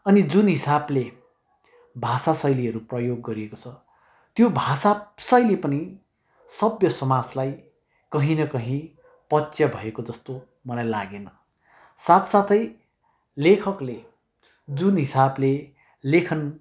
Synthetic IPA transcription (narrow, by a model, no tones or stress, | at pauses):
ʌnid͡zunɦisable | bʱasasʌjliʌɾuprʌjoɡːʌɾiekot͡sʰʌ | t̪jobʱasabsʌjlepʌni | sʌbjʌsʌmad͡zlaj | kʌɦĩnʌkʌɦĩ | pʌsjʌbʱʌekod͡zʌst̪o | mʌlajlaɡenʌ | sat̪sat̪ʌj | lekʰʌkle | d͡zunɦisable | lekʰʌn